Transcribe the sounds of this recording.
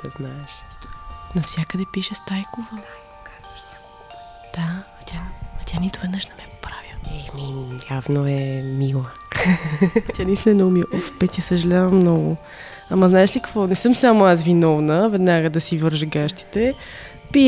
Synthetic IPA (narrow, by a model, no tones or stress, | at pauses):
nɛznaɛʃt̪nɐfsʲjakəd̪ɛpiʃɛst̪ajkovɐ | kaz̥vəʃt̪ʲa | d̪̥a | t̪ʲamɐt̪ʲanit̪ʊvɛd̪nəʃnɛmɛpo̥pɾaviɛminjavnoɛmilˠə | t̪ʲjanisnɛnomiʔɔfpɛt̪ʲɐsəʒɐlʲavɐmnɔɡʊ | amɐznaɛʃlikɐkvɔnɛsɤmsamoas̬vinɔvnəvɛd̪naɡəd̪ɐsivɤɾʒəɡaʃt̪i̥t̪ɛ | pi